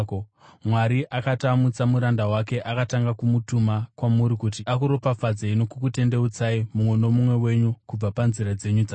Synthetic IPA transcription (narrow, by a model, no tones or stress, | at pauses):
komwaɾiʔakatamut͡samuɾandawake̞ʔakataŋɡakumutumakwamuɾikut̬iakuɾo̞pap͡fad͡zaino̞kukute̞nde̞ut͡saimumweno̞mumwe̞we̞ɲukub͡vapanziɾad͡ze̞ɲud͡za